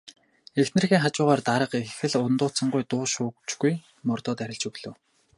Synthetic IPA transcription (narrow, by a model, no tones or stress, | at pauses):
ext̪nɘ̆rxiːŋχat͡ɕʊːʁaːrt̪aɾə̆qexɘ̆ɮʊnt̪ʊːt͡sə̆ɴɢʊjt̪ʊːʃʊːk̚t͡ɕɡuj | mʊrt̪ɔːt̪æɾʲɪ̆ɮt͡ɕɵɣɮ̥ɵ̆w